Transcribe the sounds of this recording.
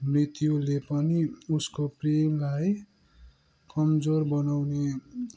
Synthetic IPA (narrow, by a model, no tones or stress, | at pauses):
mrit̪julepʌniuskopremlaj | kʌmd͡zorbʌnawne